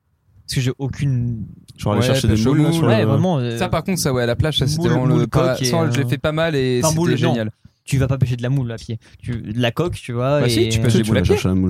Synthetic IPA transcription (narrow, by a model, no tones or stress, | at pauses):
paskəʒeʔokʲynʒɔawʃɛʃɛʃed̪eouwɛvʁɛmɑ̃sapaʁkɔ̃t̪χsawɛlaplaʃsaseɛɑ̃ləpsɑ̃ʒəlefɛpamaleseuɛʒeɲjalt̪yvapapeʃ̬ed̪əlamulːapjet̪ylakɔkt̪yvwabɛesit̪ypɛʃeuajeʃelamul